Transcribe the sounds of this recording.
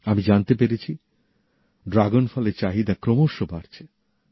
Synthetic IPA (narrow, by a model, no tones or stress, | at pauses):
amid͡ʑant̪epeɾet͡ɕʰi | ɖɾaɡonfɔleɾt͡ɕaɦid̪akɾomoʃːobaɾt͡ɕʰe̥